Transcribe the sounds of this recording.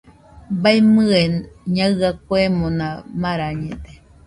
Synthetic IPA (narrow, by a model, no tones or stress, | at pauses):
baimɨenɲãɣakoemõnãmaɾaɲẽt̪e